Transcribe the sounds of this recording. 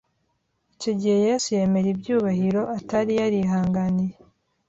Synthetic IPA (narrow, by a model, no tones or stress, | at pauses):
ico̞ɟihe̞jeːsuje̞me̞ɾibɟuːβahiɾo̞ʔataɾijaɾiɦaːŋɡanije